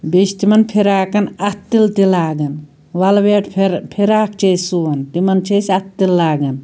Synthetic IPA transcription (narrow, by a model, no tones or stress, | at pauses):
beʃt̪imɐnpʰeɾaːkɐnɐt̪ːilt̪ilaːɡɐn | ʋɐlʋeːʈʰɾpʰeɾaːkʰt͡ʃesuʋɐnt̪imɐnt͡ʃʰesɐt̪ːilːaːɡɐn